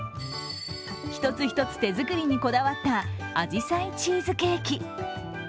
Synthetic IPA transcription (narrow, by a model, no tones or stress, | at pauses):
çi̥t̪o̞t͡sɨçʲi̥t̪o̞t͡sɨ̥t̪e̞zɨkɯ̟ɾʲiɲ̟iko̞d̪aβat̪ːaad͡ʑisait͡ɕiːzɨke̞ːkʲi